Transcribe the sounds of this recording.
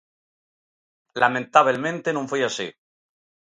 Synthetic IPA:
lamẽnt̪aβelmẽnt̪enõɱfwiasḭ

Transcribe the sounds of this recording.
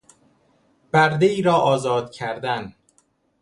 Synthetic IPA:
b̥æɾd̪eiːɾɒːʔɒːzɒːd̪̥cʰæɾd̪æn

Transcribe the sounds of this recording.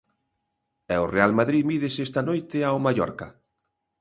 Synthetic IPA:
ɛʊrealmaðɾiðmið̞esest̪anojt̪ɪaomajɔ̰ɾkɐ̰

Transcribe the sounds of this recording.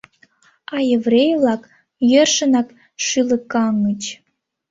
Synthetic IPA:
ɑjevrejvlɑk | jørʃə̆nɑk | ʃylə̆kːɑŋət͡ɕ

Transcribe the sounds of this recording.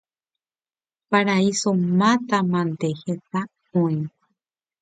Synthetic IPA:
paɾaisomãt̪amãnt̪ehet̪a | õĩ

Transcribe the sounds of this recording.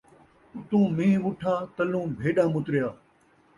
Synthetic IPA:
ʊt̪ũːmĩːʋʊʈʰaːt̪əlũːbʱeːɗãːmʊt̪ɾɪjaː

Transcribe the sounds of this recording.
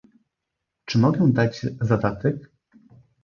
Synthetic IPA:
t͡ʂɘmɔɡɛ̃w̃d̪ad͡ʑzad̪at̪ɛk

